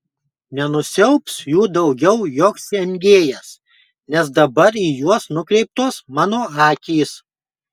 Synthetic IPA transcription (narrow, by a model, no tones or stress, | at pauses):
nʲɛnʊsʲɛʊpsjuːd̪ɐʊɡʲɛʊjoːksɛŋʲɡʲeːjɛs | nʲɛs̬d̪ɐbɐɾiːjuɔsnʊkɾʲɛɪp̚t̪oːsmɑːnoːɑːkʲiːs